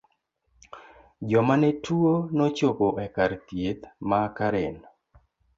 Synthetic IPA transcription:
d͡ʒɔmanɛtʰuonot͡ʃopoʔɛkaɾt̪jet̪makaɾen

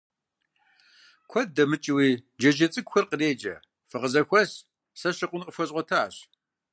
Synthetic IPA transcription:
kʷʰɔd̚dɐmɨt͡ʃʼɪwiːd͡ʒɐd͡ʒɐt͡sʼɨɡʷxʷɐrqəreːd͡ʒɐ̰ | fɨʁəzɐxʷɔs | sɐɕɪqʷʊnqəfɐɕʼʷɔtʰaːɕ

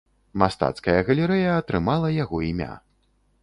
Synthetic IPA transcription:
mast̪a̰t̪skɐjɐɣɐlʲɛɾɛjɐːt̪ɾɨmalˠɐjaɣɔimʲa̰

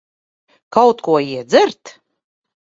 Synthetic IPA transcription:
kawt̪kuɔiɛd̪zɨɾt̪

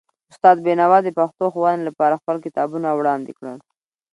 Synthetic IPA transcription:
ʊst̪ɑd̪̚benawɑd̪əpaxt̪oxwɑnlapɑɾaxpəlkɪt̪ɑbunawɽɑnd̪ekɽəl

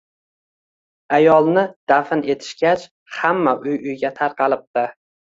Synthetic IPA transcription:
ajɒlˠnɪd̪̥afɪne̞t̪ʰɪ̥ʃɡʲat͡ʃ | hamːaʔʊjʊjɡʲat̪ʰaɾqʰɑlɪp̚t̪ɪ

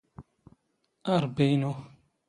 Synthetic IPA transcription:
aɾbejno

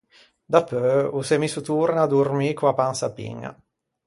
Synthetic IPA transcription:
d̪apːøusemisut̪uɾnad̪urmikuapansapḭŋːa̰

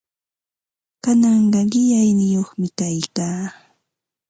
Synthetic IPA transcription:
kanɑɴɢɑɢɪʎajnɪjoχmɪkajkaː

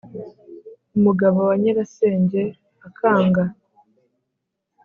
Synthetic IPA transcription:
umuɡaβowaɲeɾase̞ːɲɟe̞ | akʰaːŋɡa

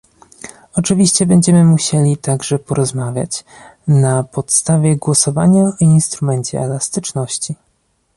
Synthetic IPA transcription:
ɔt͡ʂɘvʲiɕt͡ɕɛbɛɲd͡ʑɛmɘmuɕɛlʲit̪aɡʐɛpɔɾɔzmavʲja̰t͡ɕ | napɔt̪st̪avʲjɛɡwɔsɔvaɲainst̪ɾumɛɲt͡ɕɛ̰ɛlast̪ɘt͡ʂnɔɕt͡ɕi

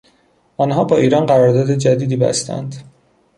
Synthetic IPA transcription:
ɒnɦɒːbɒːiːɾɒːnɢæɾɒːɾd̪ɒːd̪e̞d͡ʒæd̪iːd̪iːbæ̰st̪ʰæ̰nd̪

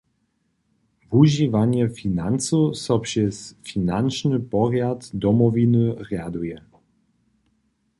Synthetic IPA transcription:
vuʑivaɲɛfʲinansusɔpʂɛsfʲinanʃnɘpɔɣjat̪d̪ɔmɔvʲinɨʁɛjad̪ujɛ

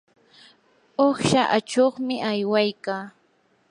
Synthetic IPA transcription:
oχʃaʔat͡ʃoχmɪʔajwajkaː

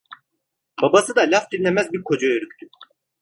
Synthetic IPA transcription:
babasɯd̪alʲafd̪inlʲemæzbiɾkʰo̞d͡ʒajøɾyk̚ʲt̪ʰy

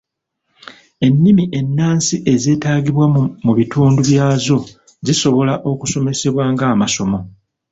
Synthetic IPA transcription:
e̞nːimiʔe̞nːaːnsiʔe̞ze̞ːtaːɡiβwamuβituːnduβjaːzo̞ | ziso̞βo̞laʔo̞kuso̞me̞se̞βwaːŋɡaːmaso̞mo̞

